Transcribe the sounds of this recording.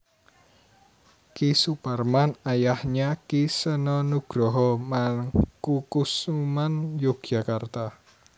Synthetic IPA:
kisuparmanajahɲakisənɔnuɡ̥ɾɔɦɔmakukusumanjoɡ̥d͡ʒ̥akart̪a

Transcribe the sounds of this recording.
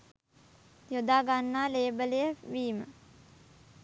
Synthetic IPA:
jod̪aːɡanːaːleːbəlejəʋiːmə

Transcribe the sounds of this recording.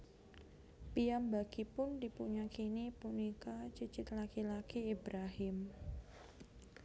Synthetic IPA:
piambaɡ̥ipʊndipuɲakinipunikat͡ʃət͡ʃɪt̪lakilakiːbɾaɦɪm

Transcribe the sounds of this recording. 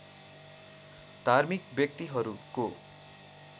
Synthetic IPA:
d̪ʱarmikbjʌk̚t̪iɦʌɾuko

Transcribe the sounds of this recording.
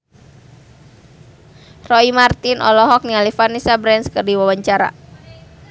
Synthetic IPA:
rɔimart̪inʔɔ̰lɔɦɔk̚nialifanisabɾɛnskərdiwawaɲt͡ʃaɾa̰

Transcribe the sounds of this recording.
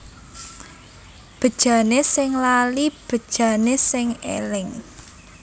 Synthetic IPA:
b̥ə̤d̥ʒ̥ä̤nesɪŋlalib̥ə̤d̥ʒ̥a̤nesɪŋḛlɪŋ

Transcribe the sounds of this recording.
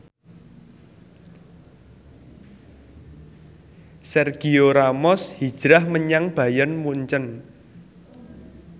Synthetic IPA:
sɛrɡ̥ioɾamɔshi̥ʒ̥ɾahməɲaŋb̥ä̤janmuɲt͡ʃən

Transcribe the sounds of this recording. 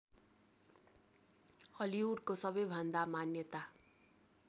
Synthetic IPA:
ʌliuɽkosʌbʌjbʱʌnd̪amanjʌt̪a

